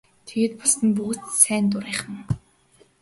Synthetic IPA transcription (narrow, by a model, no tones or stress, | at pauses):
t̪ʰeɣet̪̚pɔ̥st̪ə̆np̬uɣɘ̆t͡ssæːnt̪̬ʊɾiːχə̆ŋ